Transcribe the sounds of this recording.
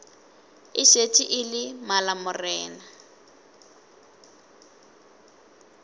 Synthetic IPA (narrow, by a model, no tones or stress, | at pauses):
ɪʃetʰʼiʔɪlɪmalamʊrɛːna